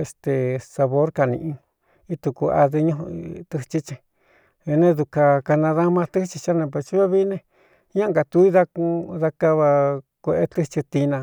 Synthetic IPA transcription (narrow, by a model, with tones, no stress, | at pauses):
e˧st̪e˨sa˧βo˦ɾka˧nḭ̃˧ʔĩ˧ | i˦t̪u˧˨ku˧a̰˧ðɨ˧ɲũ˦˧t̪ɨ˧t͡ʃi˧t͡ʃĩ˧ | βi˧nẽ˦ðu˧ka˧ka˧nã˧ða˦mã˧t̪ɨ˦t͡ʃi˧t͡ʃa˦nẽ˧p̬a˧t͡ʃi˦βa˦βi˦nẽ˦˧ | ɲã˦ŋɡa˨t̪u˧˦i˦ða˧kũ˧ða˧ka˦βa˧kʷe˧ʔe˧t̪ɨ˦t͡ʃi˧t̪i˧nã˧